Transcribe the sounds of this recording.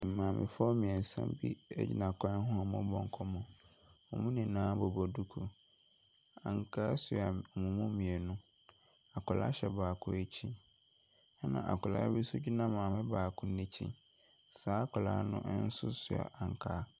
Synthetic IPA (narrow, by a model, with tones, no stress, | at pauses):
m̩˨mã˨mɪ̰̃˨fɔ˦mĩ˨ɛ˨n̩˨sɛ̰̃˦mbi˦ɛ̰˦d͡ʑi˦nã˨kʰɔ̃˦hʊ̃˦a˨mʊ̃˦bɔ̃˨ŋ˨kʰɔ˦mʊ̃˨ɔ˨mũ˦nĩ˨nãː˦bɔ˨bɔ˨du˦kʰu˨ | ã˨ŋ˨kʰaː˦sʊ˨a˨ɔ˨mũ˨mʊ̃˦mĩ˨e˨nʊ̃˦ | a˨kʰʊ˨la̰˦ɕɛ˨baː˨kʰʊ̃˦e˦t͡ɕʰĩ˦ | ɛ˦nã̰˨ʔa̰˨kʰʊ˨la̰˦bi˦sʊ˦d͡ʑi˦nã˦mãː˨mɪ̃˦baː˨kʰʊ̃˦nɪ̃˦t͡ɕʰḭ̃˦ | saː˦kʰʊ˨la̰ː˦nʊ̃˦ʔn̩˦sʊ̰˦sʊ˨a̰˨ʔa˨ŋ˨kʰaː˦